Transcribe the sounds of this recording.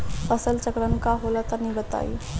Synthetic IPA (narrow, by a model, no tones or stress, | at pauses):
pəsəlt͡ʃəkɾənkaɦolat̪anĩbət̪a̰ːḭ